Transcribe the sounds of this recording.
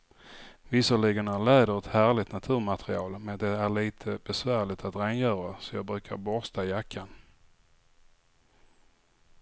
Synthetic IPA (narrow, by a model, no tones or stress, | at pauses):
vɪsɔɭɪɡənæɾɭɛːd̪əɾɛt̪hæːɾɭɪt̪nat̪ʰʉ̟ːɾmat̪ɾɪɑːlmɛnd̪ɛæɭiːt̪ʰəbɛsvæːɾɭɪt̪at̪ɾɛːnjœːɾasɔjɑːɡbɾʉ̟ːkʰa̰ɾbɔɾst̪ʰajakʰːan